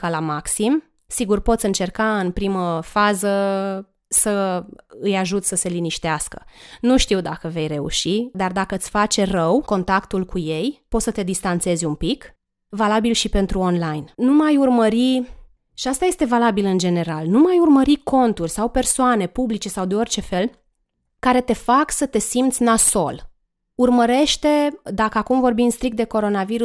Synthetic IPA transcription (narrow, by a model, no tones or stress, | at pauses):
kalamaksim | siɡurpo̞t̪sʲɨnt͡ʃe̞rkaɨnpɾiməfazə | səɨjaʒut̪sʲsəse̞liniʃt̪easkə̥nuʃt̪iwd̪akəve̞jre̞ṵʃid̪ard̪akəɨsʲfat͡ʃe̞rəwko̞nt̪akt̪ulkuje̞jpo̞t̪sət̪e̞d̪ist̪ant̪se̞zʲumpik | valabilʃipe̞nt̪ɾuonlajnnumajurməɾi | ʃiast̪aje̞st̪e̞valabilɨnd͡ʒe̞ne̞ɾalnumajurməɾiko̞nt̪urʲsawpe̞rsoane̞publit͡ʃe̞sawd̪e̞o̞rʲt͡ʃe̞fe̞l | kaɾe̞t̪e̞faksət̪e̞simt̪sʲnaso̞̰l | urməɾe̞ʃt̪e̞d̪akəakumvo̞rbimnst̪ɾik̚t̪d̪e̞ko̞ɾo̞naviɾu